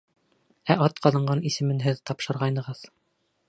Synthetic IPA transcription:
æʔɑt̪qɑðɤ̆ɴɢɑnisɘ̆mɘnɦɘðt̪ɑpʃɤ̆ɾʁɑjnɤ̆ʁɤð

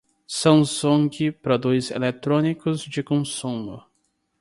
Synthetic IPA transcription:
sɐ̃nsũŋɡɪpɾod̪ujzḛlet̪ɾõnikʊzd͡ʒɪkõsũmʊ̰

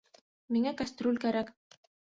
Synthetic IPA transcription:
miŋækast̪ɾolʲkæɾæk

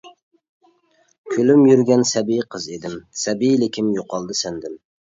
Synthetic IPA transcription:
kʲʰølymjyɾɡʲɛnsɛbijqʰəzed̪ɪmsɛbijlɪkʲʰɪmjoqʰɑlˠd̪ɨsænd̪ɪm

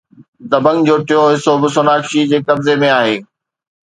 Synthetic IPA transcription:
zɐbə̃ŋɡd͡ʑoːʈɪjoɦɪsobɪsonaːkʃid͡ʑeːkɐbzemẽaːɦeː

